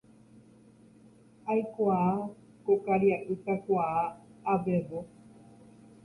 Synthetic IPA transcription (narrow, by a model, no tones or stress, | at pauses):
ajkʷaao | kokaɾjaʔɨt̪akʷaaːbebo